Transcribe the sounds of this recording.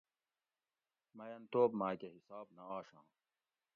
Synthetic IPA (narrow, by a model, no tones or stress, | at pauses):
mɐjɐnt̪oːbmaːkeɦisaːbnɐaːɕãː